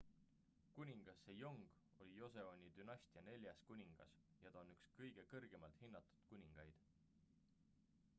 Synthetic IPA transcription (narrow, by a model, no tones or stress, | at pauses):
kunʲiŋɡ̥ɑsːejo̞ŋɡ̥ | o̞lʲijo̞se̞onʲid̪̥ynɑsʲt̪iɑne̞lʲjɑskunʲiŋɡ̥ɑ̰s | jɑt̪ɑonykskɤjɡ̥e̞kɤrɡ̥e̞mɑlt̪hinːɑt̪ːˑu̥d̪̥kunʲiŋɡ̥ɑjd̪̥